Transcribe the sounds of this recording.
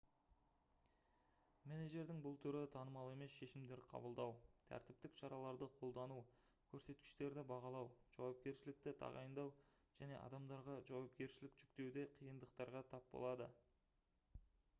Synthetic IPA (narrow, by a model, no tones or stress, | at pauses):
meneʒe̞ɾd̪ɪŋbʊlˠt̪ʰʏɾɪt̪ʰɑnəmɑlˠe̞me̞sʃe̞ʃɪmd̪e̞ɾqʰɑ̰bəlˠd̪ɑwt̪ʰæ̰ɾt̪ɪp̚t̪ɪkʃɑɾɑlˠɑɾd̪əqʰo̞lˠd̪ɑnu | kʲʰɵɾse̞t̪kʲɪ̥ʃt̪e̞ɾd̪ɪbɑʁɑlˠɑwʒ̥ɑ̰wɑp̚kʲe̞ɾʃɪlɪk̚t̪ɪt̪ʰɑ̰ʁɑ̰jənd̪ɑw | ʒ̥æne̞̰ʔɑ̰d̪ɑmd̪ɑɾʁɑʒɑwɑp̚kʲe̞ɾʃɪlɪkʒ̥ʏkt̪e̞wd̪e̞qʰijənd̪əq̚t̪ɑɾʁɑt̪ʰɑp̚bo̞̰lˠɑd̪ə̰